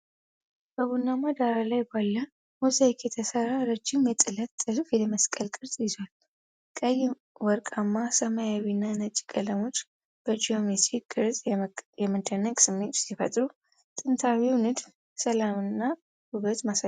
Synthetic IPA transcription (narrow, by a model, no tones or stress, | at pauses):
b̥əβunːamad̪aɾalajbalːə | mozajkjɛt̪ʰəsəɾaɾɨd͡ʒːɪmjɛt̪ʼɨlət̪ʼːɨzufjɛlməskʼəlkʼɨɾt̪ʼjɪzal | kʼəjː | wɔɾkʼamːasəmajawinːanət͡ʃʼːi̥kʼələmo̞t͡ʃː | b̥əd͡ʒiomesikʼɨɾt̪ʼjɛməd̪ənːəkʼsɨmːet̪sifə̰t̪ʼɾu | t̪ʼɨnt̪ʰawiwnɨd̪ | səlamɨnːa | huβət̪masa